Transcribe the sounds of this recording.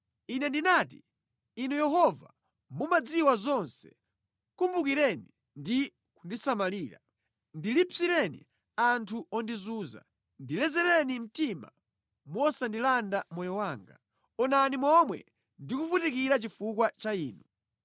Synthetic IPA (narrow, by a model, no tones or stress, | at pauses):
inɛndinaːtiː | nujɛɦɔva | mumad͡ziwazɔnsɛ̥̰ | kumbukiɾɛni | ndi | kundisamaliːɾa | ndilipsiɾɛnḭ | antʰuɔndizuːza̰ | ndilɛzɛɾɛnim̩tima̰ | mɔsandilandamɔjɔwaːŋɡa̰ | ɔnanimɔmwɛ̰ | ndikufutik̬iɾat͡ʃifukwat͡ʃaiːnu